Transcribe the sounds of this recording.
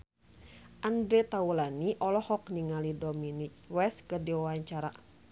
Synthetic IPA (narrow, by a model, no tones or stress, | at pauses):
ʔandɾɛt̪aulaniʔɔlɔhɔkniŋalidominik̚wɛskɨrdiwawaɲt͡ʃaɾa̰